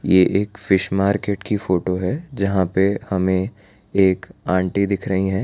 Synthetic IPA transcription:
jeːʔeːkfɪʃmaːɾkeːʈkifoːʈoɦɛd͡ʒɐɦãpehɐmẽ | eːkãːɳʈid̪ɪkʰɾɐɦiɦɛː

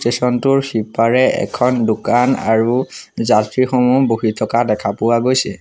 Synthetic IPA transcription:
stesɔntʊɹxipaɹɛʔɛ̰kʰɔndʊkana̰ɹuzatɹixomuboɦitʰɔkadɛkʰapʊwaɡojsɛ

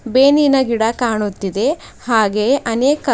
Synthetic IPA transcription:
beːninɐɡiɽɐkaːɳut̪ːid̪e̞ | haːɡe̞ʔɐneːkɐ

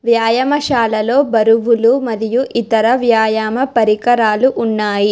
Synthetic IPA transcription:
ʋjaːjɐmɐʃaːlɐlo̞ːbɐɾuʋulumɐd̪ijuʔit̪ɐɾɐʋjaːjaːmɐpɐɾikɐɾaːluʔunːaːji

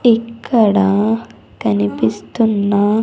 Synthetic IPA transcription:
ikʰːɐɽa | kɐnipist̪unːa

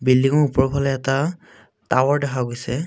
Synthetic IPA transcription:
bilːiŋɔɹupɔɹpʰalɔjɛta | tawɔɹdɛkʰaɡojsɛ

